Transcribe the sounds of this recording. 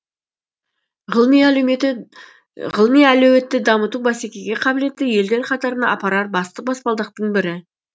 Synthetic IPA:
ʁəlˠmijæleeɪ | ʁəlˠmijælɵwe̞t̪ːɪd̪ɑmət̪ubæsekʲe̞ɡʲe̞qʰɑbɪle̞t̪ːɪje̞ld̪e̞ɾqʰɑt̪ɑɾənɑ̰ːpɑɾɑɾ̚bɑst̪əq̚bɑspɑlˠd̪əq̚t̪əɴbɪɾɪ

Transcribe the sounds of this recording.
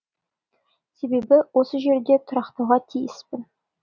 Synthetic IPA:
se̞be̞bɪwo̞səʒe̞ɾd̪e̞t̪ʰʊɾɑqt̪ɑwʁɑt̪ʰijɪspɪn

